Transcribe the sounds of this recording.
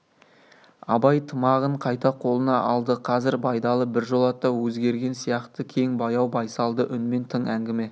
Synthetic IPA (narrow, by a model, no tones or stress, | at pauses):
ɑbɑjt̪ʰəmɑʁəɴqʰɑjt̪ɑqʰo̞lˠənɑʔɑlˠd̪əqʰɑzɪɾbɑjd̪ɑlˠəbɪɾʒo̞lˠɑt̪ːɑwɵzɡʲe̞ɾɡʲe̞nsijɑqt̪əkʲʰe̞ŋbɑjɑwbɑjsɑlˠd̪əʔʏnme̞nt̪ʰəɴæŋɡʲɪme̞